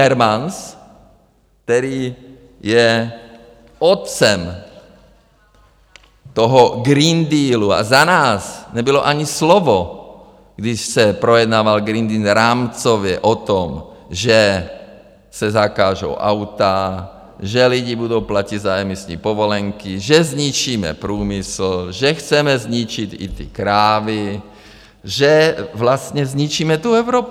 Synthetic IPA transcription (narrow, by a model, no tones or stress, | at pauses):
ɛɾmans | kt̪ɛɾiː | jɛ | ɔt̪t͡sɛm | t̪ɔɦɔɡɾind̪iːlua̰zanaːsɲɛbilɔʔaɲislɔʋɔ | ɡd̪iʃsɛpɾɔjɛd̪naːʋalɡɾind̪iːnɾaːmt͡sɔʋɛʔɔt̪ɔmʒɛ | sɛzakaːʒɔ̰ʊʔa̰ʊt̪a | ʒɛliɟiːbud̪ɔʊplacid̪zaɛmisɲḭːpɔʋɔlɛŋkiʒɛzɲit͡ʃiːmɛ̰pɾuːmisl̩ʒɛxt͡sɛmɛzɲit͡ʃit̪ḭt̪ḭkɾaːʋi | ʒɛʋlast̪ɲɛzɲit͡ʃiːmɛt̪uɛʊɾɔːp